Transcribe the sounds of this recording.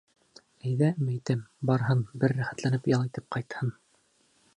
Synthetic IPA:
æjðæmæjt̪ɘmbɑɾɦɤnbɘɾːæχæt̪lænɘpjɑlˠit̪ɘp̚qɑjt̪hɤn

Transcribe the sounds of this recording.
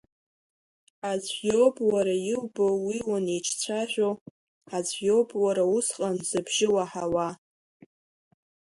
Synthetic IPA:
azʷjobwaɾajɪwbowiwanejt͡ʃʰt͡sʷʰaʒʷᶣo | azʷjobwaɾausqʼanzɨbʒɪwaħawa

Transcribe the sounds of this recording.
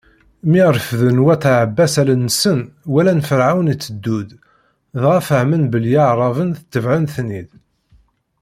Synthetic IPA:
miɾəfðənwæθʕəbːæsælənːəsənwælænfəɾʕawnit͡sːəd̪ːud̪ | ðʁæfəhmənbəljɑʕɾˤɑvənθə̥t̪ːəvʕənθnið

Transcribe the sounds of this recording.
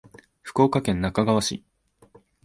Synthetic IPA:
ɸɯ̟̥ko̞ːkakẽ̞nːakaɡaβaɕḭ

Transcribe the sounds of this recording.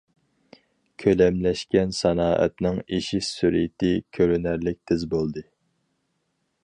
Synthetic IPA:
kʲʰølɛmlɛʃkʲɛnsɑnɑːʔɛ̰t̪nɪŋeʃisyɾḭt̪ʰɪkʲʰøɾynæɾlɪk̚ʲt̪ʰɪzbolˠd̪ɨ

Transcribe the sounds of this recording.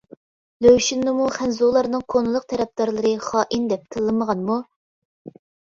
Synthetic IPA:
løwʃinːɨmuχænzolˠɑɾnɨŋkʰonɨlˠʊq̚t̪ʰɛɾɛp̚d̪ɑɾlˠɨɾɨχɑːʔind̪ɛp̚k̪ʰəlˠːɨməʁɑnmu

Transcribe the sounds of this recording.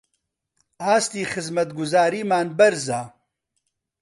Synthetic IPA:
aːst̪iːxɨzmɐt̪ɡʊzaːɾiːmaːnbɐɾzaː

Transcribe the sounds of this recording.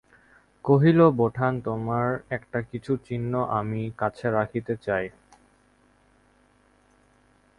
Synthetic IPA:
koɦiloboʈʰant̪omaɾɛkʈakit͡ɕʰut͡ɕinːoʔamikat͡ɕʰeɾakʰit̪et͡ɕaj

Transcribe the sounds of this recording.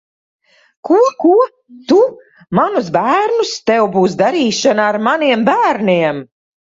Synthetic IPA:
kuɔkuɔ | t̪u | manusbæːɾnust̪ɛwbuːsd̪aɾiːʃanaaɾmaniɛmbæːɾniɛm

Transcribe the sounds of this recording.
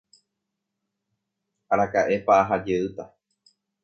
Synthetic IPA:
aɾakaʔe̞paaɦad͡ʒeɨt̪a

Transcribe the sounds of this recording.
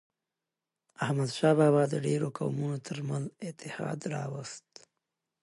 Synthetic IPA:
ahmad̪ʃɑbɑːβɑd̪əɖeɾokawmunot̪ʰəɾmanlzɪt̪ɪhɑ̰d̪ɾɑ̰wəst̪

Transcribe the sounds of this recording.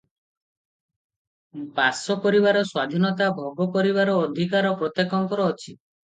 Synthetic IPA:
basɔkɔɾiβaɾɔswad̪ʱinɔt̪abʱɔɡɔkɔɾiβaɾɔːd̪ʱikaɾɔpɾɔt̪jekɔŋkɔɾɔːt͡ʃʰi

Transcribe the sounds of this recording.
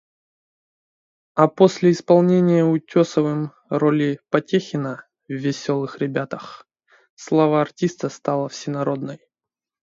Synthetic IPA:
ɐposʲlʲɪɪspɐlˠnʲenʲɪjəʊtʲosəvɨm | rolʲɪpɐtʲexʲɪnə | vːʲɪsʲo̞lˠɨxɾʲɪbʲat̪əx | slˠɐvəɐrtʲist̪əst̪alˠəfsʲɪnɐɾo̞d̪nəj

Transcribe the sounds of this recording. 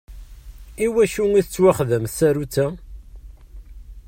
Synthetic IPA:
iwæʃuŋiθət͡sːwæχðəmsæɾut͡sːæ

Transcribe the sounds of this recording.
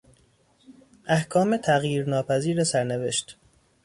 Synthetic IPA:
ʔæhkʰɒːmet̪ʰæɣjiːɾnɒːpʰæziːɾesæɾne̞ve̞̰ʃt̪

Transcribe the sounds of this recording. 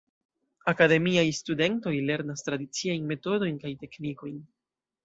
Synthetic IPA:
akade̞miajstude̞nto̞jle̞ɾnastɾadit͡siajnme̞to̞do̞jnkajte̞kniko̞jn

